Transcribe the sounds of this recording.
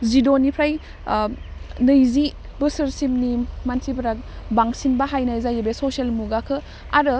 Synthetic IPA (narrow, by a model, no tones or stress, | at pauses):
zidonipʰɾaj | nɯjzi | bɯsɯɾsimnimantʰibʰɐɾak̚baŋsinbaɦajnajzajebesoselmuɡakʰɯ | aɾɯ